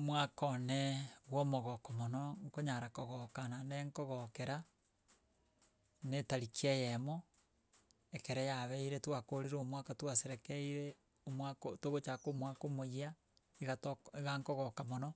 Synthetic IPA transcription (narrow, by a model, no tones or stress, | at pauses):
omwakɔneɣwɔmoɣɔkɔmonɔŋkoɲaɾakɔɣɔkananeŋkɔɣɔkeɾa | netaɾikiejɛmo | ekeɾɛjaβɛiɾetwakoɾeɾomwakatwaseɾɛkeiɾe | omwakotoɣot͡ʃakomwakomoia | iɣatiɣaŋkɔɣɔkamonɔ